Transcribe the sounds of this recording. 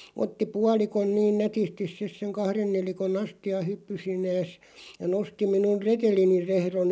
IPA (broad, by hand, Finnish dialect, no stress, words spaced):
otːi puɑlikon niːn nætistis̆ sis seŋ kɑhren nelikonˑ ɑstiɑ hypːysinˑeːs jɑ nosti minun retelinir rehron